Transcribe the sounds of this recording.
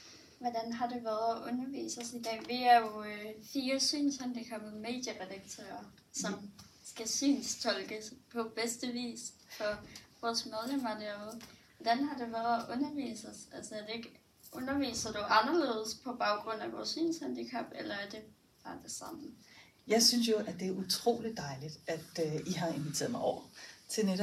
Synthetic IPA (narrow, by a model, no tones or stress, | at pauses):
ʋɒd̥ænɦɑ̈de̝ʋæːɐðˠæʔɔ̽nɐʋḭːsɐsid̥ɛ̰ːʋeæjofiːɐsy̰ːnshænd̥ikʰæb̥ð̩ˠme̝̰ːd̥jəʁɛd̥ɑ̈ɡ̥̚t͡sʰø̰ːɐ | sɒ̽m | sɡ̥æsy̰ːnst͡sʰɒ̽lɡ̥əspʰɒ̽b̥esd̥əʋḭːsfʰɒ̽ʋɒːsmeðˠlemædeð̩ˠʋɒd̥ænɦɑ̈d̥e̝ʋæðˠʔɔ̽nɐʋḭːsəsælsɐæɐd̥e̝e̝ɡ̥ | ʔɔ̽nɐʋḭːsɐd̥uʔɑ̈nɐle̝̰ːð̞ˠəspʰɒ̽b̥ɑ̈ʊɡ̥ʁɔ̽n̰æʋɒ̰ːsy̰ːnshænd̥ikʰɑb̥elɐæɐd̥e̝ | ɑ̈d̥e̝sɑ̈mn̩ | jɑ̈ɪsyns̬jo̝ʔæ̥d̥e̝æɐut͡sʰʁo̝̰ːlid̥̚ːɑ̈ɪlid̥æd̥øiɦɑ̈e̝nʋit͡sʰe̝ːɐmɑ̈ɪɒ̰ʊ̰ɐt͡sʰe̝neɾ